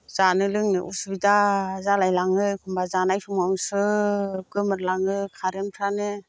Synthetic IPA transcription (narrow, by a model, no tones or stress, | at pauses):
z̥anɯlɯŋnɯʔṵsubidazalajlaŋɯkʰɯmbazanajpʰɯmamsɯɡɯmɯɾlaŋɯkʰaɾenkʰɾanɯ